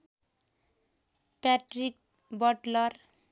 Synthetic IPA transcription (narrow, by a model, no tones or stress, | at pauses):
pɛʈɾik̚ | bɔʈlɔɾ